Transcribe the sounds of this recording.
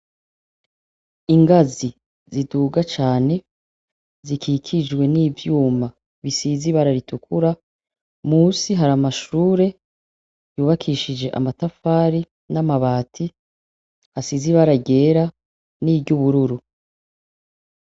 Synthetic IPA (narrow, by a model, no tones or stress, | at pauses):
iŋɡazi | ziduːɡat͡ʃaːne̞ | zikʰikʰid͡ʒɡwe̞niːvjuːma | βisiziβaɾaɾitukuɾa | muːsiɦaɾamaʃuːɾe̞ | juːβakʰiʃid͡ʒe̞ʔa̰matafaːɾi | namaβaːtʰi | hasiziβaɾaɟe̞ːɾa | niːbɟuβuɾuɾu